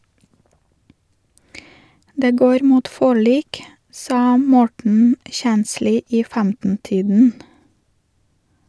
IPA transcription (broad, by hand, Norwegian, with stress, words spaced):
ˈdeː ˈɡoːɾ ˈmuːt ˈfɔɭiːk ˈsɑː ˈmɔʈɳ̩ ˈçænsliː ˈiː ˈfæmtn̩ ˈtiːdn̩